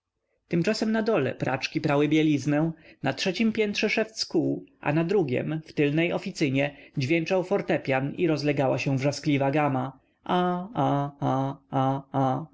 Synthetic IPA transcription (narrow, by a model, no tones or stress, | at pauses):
t̪ɘmt͡ʂasɛmnad̪ɔlɛ̰pɾʔa̰t͡ʂkʲipɾawɘbʲjɛlʲiznɛ̃natʂɛt͡ɕimpʲjɛnt̪ʂɛʂɛft̪skuʔa̰nad̪ɾuɡʲjɛ̰mft̪ɘlnɛjɔfʲit̪sɘɲɛd͡ʑvʲjɛnt͡ʂawfɔɾt̪ɛpʲjaniɾɔzlɛɡawaɕɛ̃vʐasklʲivaɡama | ʔaaaaa